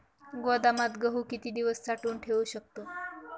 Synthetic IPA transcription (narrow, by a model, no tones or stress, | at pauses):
ɡod̪amat̪ɡəɦuːkit̪iːd̪iʋəst͡saʈuːɳʈʰeʋuɕək̚t̪o